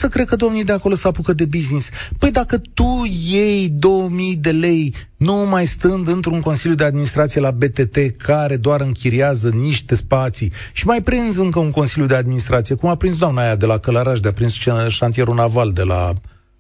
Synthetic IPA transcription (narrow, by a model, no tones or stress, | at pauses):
səkɾe̞d̪̚kəd̪o̞mnijd̪eako̞lo̞səapukəd̪e̞biznispəjd̪akət̪uje̞jd̪o̞wəmijd̪e̞le̞j | numajst̪ɨnd̪ɨnt̪ɾuŋko̞nsiljud̪e̞ad̪minist̪ɾat̪sijelabe̞t̪e̞t̪e̞kʰaɾe̞d̪oaɾɨŋkʲiɾiazəniʃt̪e̞spat̪si | ʃimajpɾind̪zɨŋkəuŋko̞nsilʲjud̪e̞ad̪̚minist̪ɾat̪sije̞kumapɾins̬d̪oamnajad̪e̞lakələɾaʃd̪eapɾinsʃant̪ije̞ɾunavald̪e̞la̰